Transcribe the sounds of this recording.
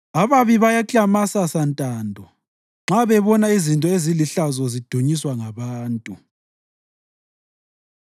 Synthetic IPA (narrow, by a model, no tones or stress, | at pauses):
aβaβiβajakʼamasasantʼaːndʱɔ | ŋ͡ǁaβɛβɔnaizintʼɔeziliɬazɔzid̥ʱoɲiswaŋaβaːntʼu